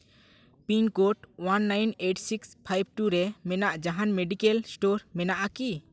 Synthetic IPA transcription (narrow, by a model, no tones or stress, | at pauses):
pinkoʈwanːajneʈsikspʰajb̚ʱʈuɾɛmɛnaʔd͡ʒaɦanmeɖikɛlsʈoɾmɛnaʔaki